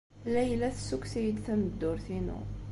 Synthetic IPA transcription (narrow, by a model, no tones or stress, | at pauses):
læjlæθsːuksijəd̪θæməd̪ːʊɾθinṵ